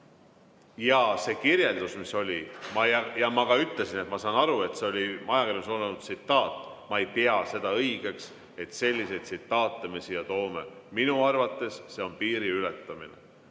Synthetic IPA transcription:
jɑse̞ːkirje̞ld̪usmiso̞lʲimɑjɑmɑkɑyt̪le̞sinet̪mɑsɑːnɑɾue̞t̪se̞o̞lʲimɑjɑkirjosonɑnut̪sit̪ˑːɑːt̪ːˑmɑejt̪eɑse̞d̪̥ɑɤjɡ̥e̞ks | e̞t̪se̞lʲːise̞jt̪sit̪ˑːɑːt̪ːˑemisijɑt̪o̞ːme̞minuɑrvɑt̪ːˑe̞sːe̞o̞npiːɾiylet̪ːˑɑminḛ

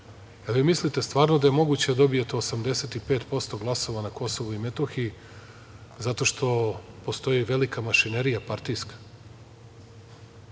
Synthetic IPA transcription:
alʋimislit̪e̞st̪vaːɾnod̪ajemo̞ɡut͡ɕed̪d̪o̞bijet̪eosamd̪e̞se̞t̪ipeːt̪po̞st̪o̞ɡlˠaso̞ʋanako̞soʋuimet̪oxii | zat̪o̞ʃt̪o̞po̞st̪o̞jiʋe̞likamaʃineɾijapaɾt̪iskḁ

